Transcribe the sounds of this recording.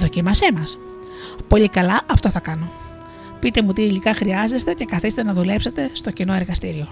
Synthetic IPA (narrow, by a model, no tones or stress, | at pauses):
ðocimɐse̞mɐs | po̞ʎikɐlɐʔɐft̪o̞θɐkɐno̞ | pit̪e̞mut̪iːlikɐxɾiɐze̞st̪e̞ce̞kɐθist̪enɐðule̞pse̞t̪e̞st̪o̞cinoeɾɣɐst̪iɾio̞